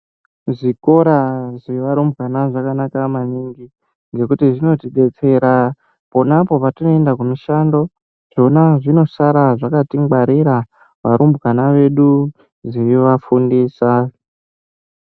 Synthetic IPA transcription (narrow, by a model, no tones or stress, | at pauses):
ʐiko̞ɾazeʋaɾumbɣanaʐakanakamaniŋɡi | ŋɡe̞kutiʐino̞tiɓe̞t͡se̞ɾa | po̞napo̞patino̞e̞ndakunuʃando̞ | ʐ̥o̞naʐino̞saɾaʐakatiŋɡ͡baɾiɾa | ʋaɾumbɣanaʋe̞ɗu | ʐiiʋafundiːsa